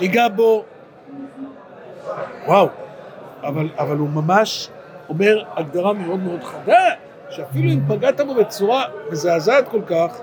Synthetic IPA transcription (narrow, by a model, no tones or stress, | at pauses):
iɡabo̞ | waw | avalavalumamaʃ | o̞me̞ʁaɡd̪aʁame̞o̞d̪me̞o̞d̪χad̪a | ʃeafiluimpaɡat̪abo̞bet͡suʁavezeazad̪̚ko̞lkaχ